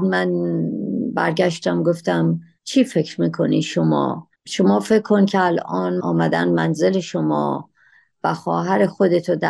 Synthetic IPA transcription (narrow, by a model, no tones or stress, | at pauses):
d̪mæn | bæɾɡæʃt̪æmɡoft̪æm | t͡ʃʰiːfe̞cʰɾmiːkʰo̞niʃomɒ̰ː | ʃo̞mɒːfe̞kʰːo̞ncʰeælʔɒːnɒːmæd̪æ̰nmænze̞le̞ʃomɒ̰ː | væxɒːɦæɾe̞xod̪e̞t̪ʰod̪æ